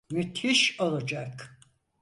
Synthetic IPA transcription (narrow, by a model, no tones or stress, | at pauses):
myt̪ʰiʃolˠad͡ʒak